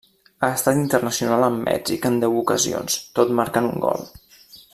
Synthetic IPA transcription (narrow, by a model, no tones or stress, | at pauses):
aəst̪at̪int̪ərnəsiunalˠəmːɛ̰d͡ʒikənd̪ɛwukəzio̰nst̪ot̪maɾkanuŋɡɔ̰lˠ